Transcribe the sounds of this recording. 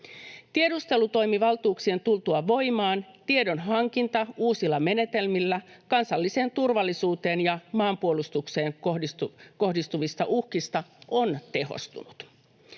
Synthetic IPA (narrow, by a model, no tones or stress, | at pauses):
t̪ie̞dust̪e̞lut̪o̞jmiʋɑlt̪uːksie̞nt̪ult̪uɑʋo̞jmɑːnt̪ie̞do̞nɦɑŋk̟int̪ɑuːsilːɑme̞ne̞t̪e̞lmilːækɑnsɑlːise̞ːnt̪urʋɑlːisuːt̪e̞ːnjɑmɑːmpuolust̪ukse̞ːŋoiko̞hdist̪uʋist̪ɑʔuhkist̪ɑʔo̞nt̪e̞ɦo̰st̪ṵnut̪